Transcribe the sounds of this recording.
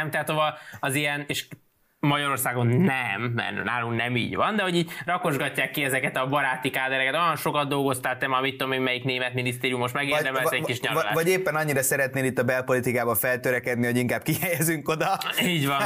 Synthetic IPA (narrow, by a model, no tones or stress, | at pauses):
ɛmt̪ɛɦat̪hovɒlɒzijɛneːʃ | mɒɟɒɾo̞rsaːɡo̞nːɛmːɛ̰rna̰ːluŋknɛmḭːɟʋɒnd̪ɛho̞ɟiːɟrɒko̞ʒɡɒcːaːkːiɛzɛkɛt̪ɒbɒɾaːt̪ikaːd̪ɛɾɛkɛt̪o̞jɒnʃo̞kɒd̪d̪o̞lɡo̞st̪aːt̪ɛmamit̪ːod̪omemmɛjikneːmɛt̪minist̪eːɾijumo̞ʃmɛɡed̪ɛmɛlɛkiʃɲɒlavɒɟeːpːɛnɒɲːiɾɒsɛɾɛt̪neːlit̪ːɒbɛlpo̞lit̪ikaːbɒɱfɛlt̪øɾɛkɛd̪niɦo̞ɟiŋkaːb̥̚kihɛjɛzyŋko̞d̪ɒiːɟʋɒ